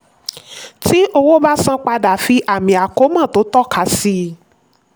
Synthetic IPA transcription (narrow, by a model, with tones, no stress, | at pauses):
ti˦ʔo˧wo˦ba˦sã˦k͡pa˧da˨fi˧ʔa˨mĩ˨a˨ko˦mã˦˨to˨˦tɔ˦˨ka˨˦si˦˧